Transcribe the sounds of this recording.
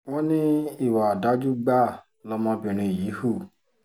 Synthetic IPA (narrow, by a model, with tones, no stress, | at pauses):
wɔ˦nĩ˦i˦˨wa˨da˨˦d͡ʒu˦ɡ͡ba˦˨ | lɔ˧mɔ̃˧bĩ˨ɾ̃ĩ˧˨ji˨˦hu˦˨